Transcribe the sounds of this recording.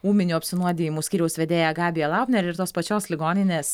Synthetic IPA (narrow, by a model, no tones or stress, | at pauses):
uːmʲɪnʲuːɐpʲsʲɪnuɔd̪ʲejɪmuːsʲkʲiːɾʲɛʊsʋʲɛd̪ʲeːjɛɡɑːbʲɪjɛlˠɑˑʊnʲɛɾʲɪɾt̪oːspɐt͡ʃʲoːslʲɪɡoːnʲɪnʲeːs